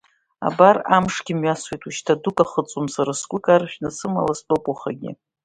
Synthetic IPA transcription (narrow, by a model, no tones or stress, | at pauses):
a̰baramʂɡʲɪmɥaswejtʼuʃtʰadukʼaχət͡sʼomsaɾaskʷʼʊkʼarʃᶣnasɨma̰laspʼɨpʼaχa̰ɡʲɪ̰